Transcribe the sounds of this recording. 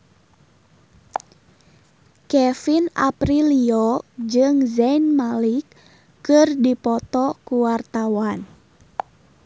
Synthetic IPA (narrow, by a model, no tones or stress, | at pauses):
kɛfina̰pɾiliod͡ʒɨŋzɛinmalikː | ɨrdipɔt̪ɔkuwart̪awan